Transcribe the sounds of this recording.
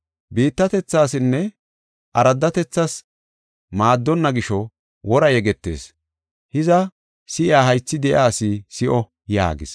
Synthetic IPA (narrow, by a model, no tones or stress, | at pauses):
biːt̪ːɐt̪ɛt͡sːaːsɪnːɛ | ʔɐɾɐd̪ːɐt̪ɛt͡sːɐs | maːd̪ːɔnːɐɡɪʃɔ | wɔɾɐjɛɡɛt̪ːe̞̰ːs | hɪzɐ | sɪʔɪaːhɐjt͡sːɪd̪ɛʔaːsisɪʔɔ | ja̰ːɡɪs